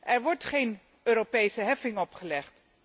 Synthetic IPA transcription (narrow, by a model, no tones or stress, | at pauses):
ʔɛɹʋɔɹtχejn | øːɾopejsəɦɛfɪŋɔpχəlɛχt